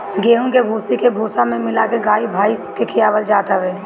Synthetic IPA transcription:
ɡeːɦũkebʱuːsikebʱuːsãmẽmɪlakeɡaːibʱaːiskekʰɪjaːʋəld͡ʒaːt̪aʋeː

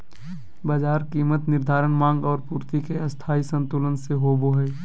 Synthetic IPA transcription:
bəd͡ʒaːɾkiːmət̪nɪɾd̪ʱaːɾəɳmãːŋɡɔːɾpuːɾt̪ikeəst̪ʰaːisə̃nt̪uːlənseɦoːboɦəj

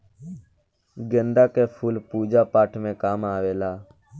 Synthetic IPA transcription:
ɡənd̪aːkeːpʰuːlpuːd͡ʒaːpaːʈʰmẽːkaːmaːʋeːlaː

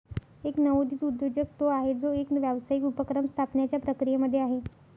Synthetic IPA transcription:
eknəʋod̪iːt͡sud̪jod͡ʑək̚t̪oaɦed͡zoekʋjaʋsaikupəkɾəmst̪ʰapnjat͡ɕjapɾəkɾijeməd̪ʱːjeaɦe

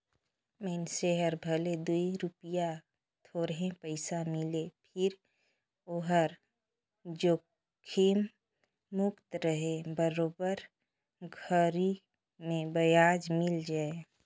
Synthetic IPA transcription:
mɛnseɦəɾbʱəled̪uiɾʊpija | t̪ʰoːɾɦẽpəɪsamɪlepʰɪɾ | oɦəɾ | d͡ʒoː | kʰiːmː | ʊkt̪ɾəɦebəɾoːbəɾ | ɡʱəɾi | mẽbəjaːd͡ʒmɪld͡ʒaːe

